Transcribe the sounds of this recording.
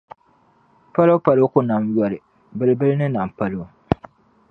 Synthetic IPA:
pa˦lo˦ʊ˦pa˨lɨ˦ʊ˦kʊ˦na˨mjɔ˨ɾɪ˨ | bɨ˨lɪ˦bɨ˦lɪ˦nɨ˦na˨m˨pa˦lʊ˨ʊ˦

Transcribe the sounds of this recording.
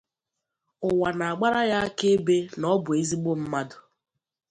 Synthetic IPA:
ʊ˨wa˨na˨a˨ɡ͡ba˦ɾa˦ɣa˦a˦ke˦be˦nɔ˦bʊ˨e˦zi˦ɡ͡bo˦m̩˦ma˦dʊ˨

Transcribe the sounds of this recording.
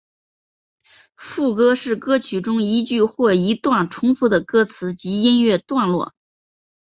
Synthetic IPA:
fu˥˩kɤ˥ʂɻ̩˥˩kɤ˥t͡ɕʰy˨˩ʈ͡ʂʊ˥ŋi˧˥t͡ɕy˥˧xwɔ˥˩i˧˥t̪wa˥˩nʈ͡ʂʰʊ˥ŋfu˥˩d̪ə˩kɤ˥t͡sʰɹ̩˧˥t͡ɕi˧˥i˥nɥɛ˥˧t̪wa˥˧nlwɔ̰˥˩

